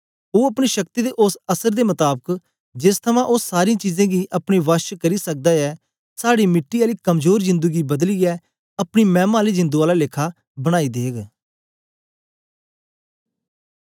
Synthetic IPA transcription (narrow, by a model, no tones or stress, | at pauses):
oːəpɽ̃iʃək̚t̪iːd̪eːʔʊsəsəɾd̪eːmɐt̪aːbək | d͡ʒɪst̪ʰəmãːʔʊsːaːɾiãːt͡ʃiːzãːɡiːʔəpɽ̃iːʋəʃkəɾisək̚d̪aːɛː | saːɽiːmɪʈːiaːliːkəmzoːɾzɪ̃nd̪əɡibəd̪liːɛː | ɐpɽ̃iːmɛ̃ːmaːlizɪ̃nd̪uːaːlaːlɪkʰaː | bəɽ̃aːid̪eːɡ